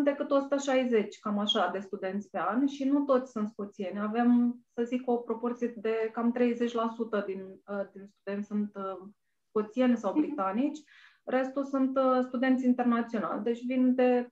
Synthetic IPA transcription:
d̪e̞kɨt̪osu̥t̪əʃajze̞t͡ʃʲkamaʃad̪e̞st̪ud̪e̞nt̪sʲpe̞anʃinut̪o̞t̪sʲsunt̪sko̞t̪sie̞nʲave̞msəziko̞pɾo̞po̞rt̪sijed̪e̞kamt̪ɾe̞jze̞t͡ʃʲlasut̪əd̪ind̪inst̪ud̪e̞nt̪ʲsunt̪ | sko̞t̪sienʲsawbɾit̪anit͡ʃʲ | re̞st̪usunt̪st̪ud̪e̞nt̪sʲint̪e̞rnat̪sio̞na̰ld̪e̞t͡ʃʲvind̪e̞

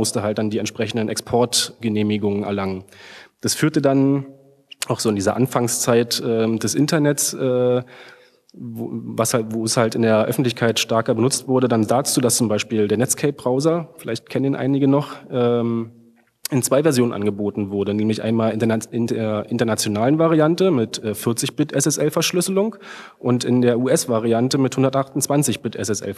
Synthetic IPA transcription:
mʊstəɦalt̚d̥andiːɛ̰ntʃpʁ̥ɛçn̩dənɛkspʰɔɐtɡ̥əneːmɪɡʊŋənɛɐlaŋənd̥asfyːɐtədan | ʔaʊxz̥oːɪndiːzɐ̰ʔanfaŋst͡saɪtʔɛːdɛsʔɪntɐnɛtsʔɛː | vashavoːshaltɪndeːɐʔœfn̩tlɪçkʰaɪtʃtɛɐkɐbənʊt͡stv̥ʊɐdədandaːt͡suːdast͡sʊmbaɪʃpiːldeːɐnɛt͡skʰɛɪp̚b̥ʁaʊzɐfɪlʔaɪçtkʰɛnəniːnʔa̰ɪnɪɡənɔχʔɛːm | ʔɪnt͡sv̥aɪvɛɐzjoːnənʔa̰nɡəboːtn̩vʊɐdənɛːmlɪçʔa̰ɪnmaːlɪeɐʔɪntɐnat͡sjonaːlənvaʁiantəmɪtʔɛːfɪɐt͡sɪçb̥ɪtʔɛsɛsʔɛlfɛɐʃlʏsəlʊŋkʔʊntɪndeːɐʔuːɛsv̥aʁ̞iantəmɪthʊndɐtʔaχtʊnt͡sv̥ant͡sɪçb̥ɪtʔɛ̰sɛsʔɛ̰l

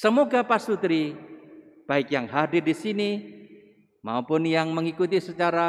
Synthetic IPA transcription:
səmoɡapasut̪ɾi | b̥aɪkjaŋɦadɪrdisini | ma̰upʊnjaŋməŋikut̪isət͡ʃaɾa

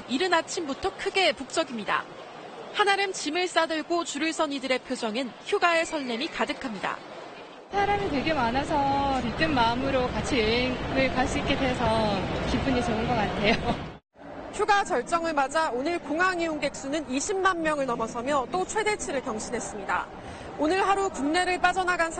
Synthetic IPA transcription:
iɾɯnat͡ɕʰimbutʰʌkʰɯɡe̞puk̚t͡ɕ͈ʌɡimɲida̰ | hanaɾɯmt͡ɕimɯɭs͈adɯɭɡot͡ɕuɾiɭsʰʌɲidɯɾe̞pʰjod͡ʑʌŋɯnçjuɡae̞sʰʌɭːe̞mikadɯkʰamɲida̰ | sʰaɾamit̬we̞ɡemanasʰʌɾit͈ɯnmːaɯmɯɾokat͡ɕʰiɯɦeŋɯɭkas͈iik͈edesʰʌkip͈uɲit͡ɕoɯnɡʌk͈atʰe̞jo | çjuɡat͡ɕʌɭt͡ɕ͈ʌŋɯɭmad͡ʑaonɯɭkoŋɦaŋiuŋɡe̞k̚s͈unɯniɕʰimːanmjʌŋɯɭnʌmʌsʰʌmjʌt͈ot͡ɕʰwe̞de̞t͡ɕʰiɾɯɭkjʌŋɕʰinɦes͈ɯmɲida̰ | onɯɭhaɾukuŋne̞ɾɯɭp͈ad͡ʑʌnaɡansʰ

